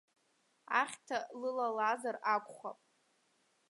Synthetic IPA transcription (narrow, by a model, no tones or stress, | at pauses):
aχʲtʰalɨlalazarakʷʼχa̰pʼ